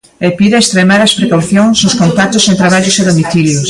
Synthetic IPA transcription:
epiðɪest̪ɾemaɾɐspɾekawθjoŋsnʊskõnt̪at̪ʊsẽnt̪ɾaβaʎʊseðomiθiljos

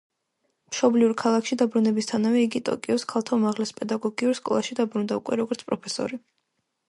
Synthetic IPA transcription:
mʃɔbliuɾkʰalˠakʰʃid̪abɾunɛbist̪ʰanavɛiɡit̪ʼɔ̰kʼiɔskʰalˠt̪ʰaumaʁlɛspʼɛd̪aɡɔɡiuɾskʼɔ̰lˠaʃid̪abɾund̪aukʼwɛɾɔɡɔɾt̪sʰpʼɾɔpʰɛsɔ̰ɾi

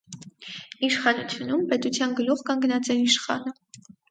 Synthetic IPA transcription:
iʃχɑnut͡sʰjunumpɛt̪ut͡sʰjɑnɡəluχkɑŋɡnɑt͡sɛiʃχɑ̰nə

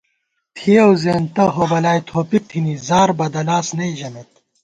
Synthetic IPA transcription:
t̪ʰiɐwzeːnt̪ɐɦoːbɐlaːjt̪ʰoːpik̚t̪ʰinizaːɾbɐd̪ɐlaːsnɐiʑɐmet̪

